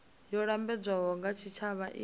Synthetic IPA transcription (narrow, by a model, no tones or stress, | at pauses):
jɔɺambɛd͡zʷaɦɔŋɡat͡ʃʰit͡ʃʰaβaʔi